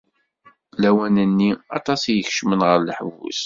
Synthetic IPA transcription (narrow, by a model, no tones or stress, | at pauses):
læwænənːiɑ̰t̪ˤɑsjəçʃmənʁəɾləħəvṵs